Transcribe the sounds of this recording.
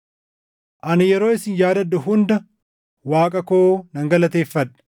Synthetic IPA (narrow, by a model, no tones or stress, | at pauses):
ʔɐnɪjɛɾo̞ːɪsɪnjaːd̪ɐd̪ʊɦʊnd̪ɐ | waːkʼɐkoːnɐŋɡɐlɐt̪e̞ːfːɐᶑɐ̥